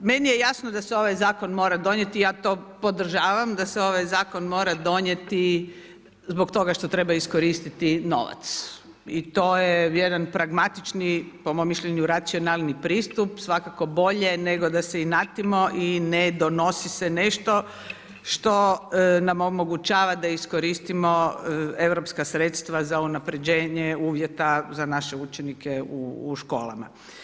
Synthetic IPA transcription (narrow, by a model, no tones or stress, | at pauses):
menijejasnod̪aseo̞ʋajzaːko̞nmo̞ːɾad̪o̞ɲe̞t̪ijaːt̪o̞ːpo̞d̪r̩ʒaːʋamd̪aseo̞ʋajzaːkonmo̞ːɾad̪o̞ɲe̞t̪i | zbokt̪o̞ɡaʃt̪o̞t̪ɾebaisko̞ɾist̪it̪ino̞̰ʋa̰t̪s | it̪oːjejed̪anpɾaɡmat̪it͡ʃnipo̞momːiʃʎeɲuɾat̪sio̞nalˠnipɾiːst̪upsʋakako̞bo̞ʎe̞neɡod̪aseinat̪imo̞ʔined̪o̞no̞sisene̞ʃt̪o̞ | ʃt̪o̞namomo̞ɡut͡ʃaːʋad̪aisko̞ɾist̪imo̞e̞ʋɾo̞pskasɾet̪st̪ʋazaunapɾe̞d͡ʑeːɲeuːʋjet̪azanaʃeut͡ʃenikeuːʃkoːla̰ma̰